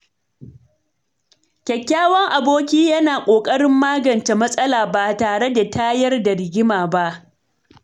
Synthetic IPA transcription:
kʲɐ˨kʲːaː˦wɐ˦ŋʔa˨boː˦kʲiː˦jɐ˦naː˨kʷʼoː˨kʼɐ˦ɽɪ˦mːaː˦ɡɐ˨nt͡ʃe˨mɐ˦sʼɐ˦laː˨baː˨taː˨ɽe˦da˨tʰaː˦jɐ˦rda˨ɾɪ˨ɡʲɪ˦maː˨ba˦ʔ

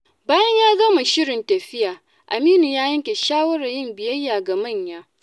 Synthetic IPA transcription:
baː˦jɐ˦ɲjaː˦ɡɐ˦ma˨ʃɪ˦ɽɪ˨ntɐ˨ɸɪ˦jaː˨ | ʔa˨miː˦nu˨jaː˦jɐ˦ŋkʲe˨ʃaː˦wɐ˦ɽa˨jɪ˦˨mbɪ˨jɐ˦jːaː˨ɡa˨mɐ˦˨ɲjaː˦

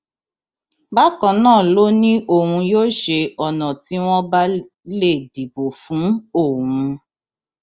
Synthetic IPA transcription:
ba˦kã˧˨nãː˦˨lo˦nĩ˦ʔo˦˨hũ˧joː˦ʃe˧ɔ˨nɔ̃˨ti˨˦w̃ɔ̃˦ba˦ | le˦˨di˨bo˨fũ˨˦o˦˨hũ˧

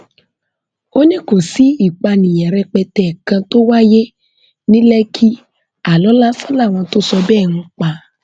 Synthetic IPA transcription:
o˦nĩ˦ko˨si˨˦i˦˨k͡pa˧nĩ˨jɛ˨ɾɛ˧k͡pɛ˧tɛ˨kã˧to˦wa˦je˦ | nĩ˦lɛ˦kʰi˦ | a˨lɔ˨˦la˦fɔ˦la˦˨w̃ɔ̃˧to˦sɔ˧bɛ˦˨ñũ˧k͡pa˧

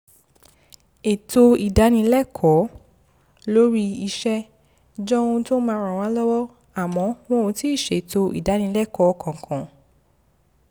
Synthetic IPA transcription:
e˨to˧i˨da˨˦nĩ˧˦lɛ˦˨kʰɔ˨˦ | lo˦ɾi˦i˧ʃɛ˦ | d͡ʒɔ˦˧ũ˧to˦mã˧˦˧ɾã˨w̃ã˨˦lɔ˦wɔ˦ | a˨mɔ̃˨˧˦w̃ɔ̃˦ũ˧ti˨˦i˦˨ʃe˨e˨to˧ḭ˨da˨˦nĩ˧˦lɛ˦˨kɔ˨˦kã˨kʰɔ̃˨

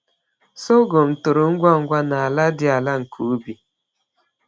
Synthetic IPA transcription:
so˦ɡo˨m̩˨tʊ˨ɾʊ˨ŋ̩˦ɡʷa˦ŋ̩˦ɡʷa˦na˨a˨la˦dɪ˦a˨la˦ŋ̩˨kʰu˨˦bi˨

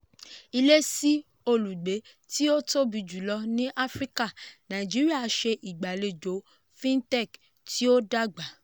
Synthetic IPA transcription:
i˧le˦si˦ | o˧lu˨ɡ͡be˨˦ | ti˦o˦to˦bi˧d͡ʒu˨˦lɔ˧nĩ˦ʔa˦fɾi˦ka˦˨nã˨i˨d͡ʒi˨˦ɾi˦a˦˨˧ʃe˧ʔi˨ɡ͡ba˨le˨d͡ʒo˨˦ | fĩ˦n˦tɛ˦˨k | tʰi˦o˦da˦ɡ͡ba˨˦

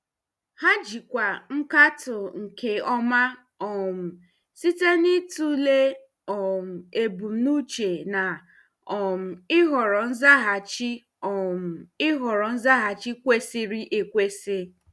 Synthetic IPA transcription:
ha˦d͡ʒi˨kʷa˨ŋ̩˦ka˦tʊ˨ŋ̩˨ke˨ɔ˦ma˦ | ɔ˨m̩˨ | si˦te˦ni˦tu˦le˦ | ɔ˨m̩˨e˨bu˨m̩˦nu˦t͡ʃe˨na˨ | ɔ˨m̩˨ɪ˦ɦɔ˨ɾɔ˨n̩˦za˦ɦa˨t͡ʃi˦ | ɔ˨m̩˨ɪ˦ɦɔ˨ɾɔ˨n̩˦za˦ɦa˨t͡ʃi˦kʷe˦si˦ɾi˦ʔe˨kʷe˦se˦

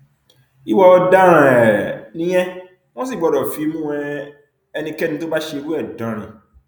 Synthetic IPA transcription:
i˦wɔ˨˦dã˦ɾã˨nĩ˦ɲɛ̃˦ | wɔ̃˦s̬i˦˨bɔ˨ɾɔ˨fi˨˦mũ˦ɛ̃˨ | ɛ˨nĩ˨kɛ˦nĩ˨to˦ba˦ɕe˨wu˦ɛ˨dɔ̃˨ɾḭ̃˨

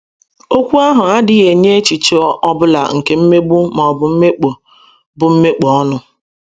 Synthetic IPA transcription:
o˦kʷu˦a˦ɦʊ˨a˦dɪ˦ɣe˨ɲe˦e˦t͡ʃi˨t͡ʃo˦ɔ˦bʊ˦la̰˨ŋ̩˨ke˨m̩˦me˦bʊ˦mɔ˨ɔ˨bʊ˨m̩˦me˦k͡po˨ | bʊ˨m̩˦me˦k͡pɔ˨˦ɔ˦nʊ˦

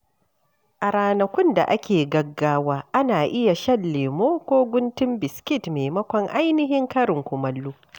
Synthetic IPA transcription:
ʔa˨ɾaː˨nɐ˨kʷʊ˦nda̰˨ʔa˦kʲʰeː˨ɡɐ˦ɡːaː˦waː˦ʔa˦naː˨ʔɪ˦ja˨ʃɐ˦lːeː˨moː˦kʷoː˦ɡʷʊ˦ntɪ˦mbɪ˨skʲɪ˦˨tmeː˨mɐ˦kʷɔ˨ŋʔa˦jnɪ˦ɦɪ˦ŋkɐ˦ɾɪ˨ŋkʷʊ˨mɐ˦lːuː˦

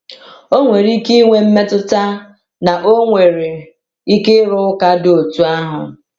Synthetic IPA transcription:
o˦ŋʷe˨ɾi˦ki˦ŋʷe˦m̩˦me˦tʊ˦ta˦ | na˨ʔo˦ŋʷe˨ɾe˨ | i˦ke˦ɾʊ˦ʊ˦ka˦do˨tu˦a˦ɦʊ̰˨

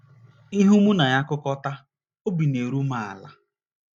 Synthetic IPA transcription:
i˦ɦu˦mʊ˦na˨ja˦kʊ˦kɔ˦ta˦ | o˦bi˨ne˨ɾu˦ma˨a̰˨la̰˨

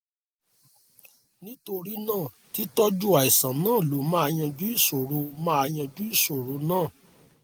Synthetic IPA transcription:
nĩ˦to˧ɾi˦nãː˦˨ | ti˨˦tɔ˦d͡ʒu˦a˨i˨sã˨nãː˦˨lo˨˦mã˦a˧j̃ã˧d͡ʒu˦i˦˨so˨ɾo˨˧mã˦a˧j̃ã˧d͡ʒu˦i˦˨so˨ɾo˨˦nãː˦˨

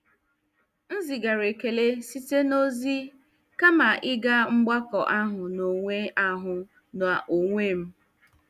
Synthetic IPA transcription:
n̩˦zi˨ɡa˨ɾe˨ke˨le˦si˦te˦no˦zi˦ | ka˦ma˨ʔɪ˦ɡa˦ŋ͡m̩˦ɡ͡ba˦kɔ˨ʔa˦ɦʊ˨no˨ŋʷe˦a˦ɦʊ˨ | n˨a˨ʔo˨ŋʷe˦˨m̩˦

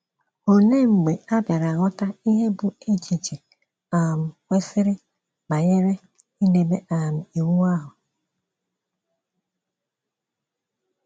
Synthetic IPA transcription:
o˨ne˦ŋ͡m̩˨ɡ͡be˨a˦bja˨ɾa˨ɣɔ˦ta˦i˦ɦe˦bʊ˨e˦t͡ʃi˨t͡ʃi˨ | a˨m̩˨kʷe˦sɪ˦ɾɪ˦ | ba˨ɲe˦ɾe˦ | i˦ne˨be˦ʔa˨m̩˨i˨wu˦a˦ɦʊ˨

